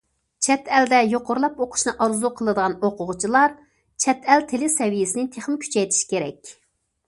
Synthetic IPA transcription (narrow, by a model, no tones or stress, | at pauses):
t͡ʃʰɛt̪ɛld̪ɛjoqʊɾlˠɑpoqʰʊ̥ʃnɨʔɑɾzuqʰəlˠɨd̪əʁɑnoqʊʁʊt͡ʃʰilˠɑɾ | t͡ʃʰɛt̪ʰɛlt̪ʰelɪsɛvijɪsɪnɪt̪ʰeχmɪkʲʰy̥t͡ʃʰɛjt̪ʰi̥ʃi̥kʲeɾɛkʲ